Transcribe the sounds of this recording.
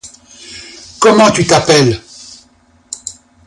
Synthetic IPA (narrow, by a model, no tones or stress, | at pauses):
kɔmɑ̃t̪yt̪apɛl